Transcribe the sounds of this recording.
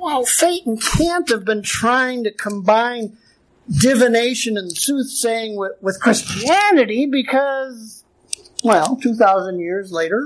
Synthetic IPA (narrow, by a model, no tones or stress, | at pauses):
wɛlˠfeɪɾn̩kʰæ̃nthɨvbɨ̃ntʰɹ̥aɪɪ̃ŋtɨkʰə̃mbãɪ̃n | dɪvɨneɪʃɨ̃nɨ̃nðsuθseɪɪ̃ŋwɪwɨð̥kʰɹ̥ɪst͡ʃiænɨɾibɨkʰʌz | wɛlˠtʰʉθaʊzə̃njɪɹzleɪɾə˞